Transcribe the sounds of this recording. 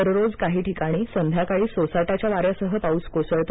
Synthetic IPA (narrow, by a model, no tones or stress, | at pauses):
əɾɾod͡zkaɦiːʈʰikaɽ̃iːsənd̪ʱjakaɭiːsosajʈat͡ɕjaʋaɾjasəɦəpaut͡skosəɭt̪o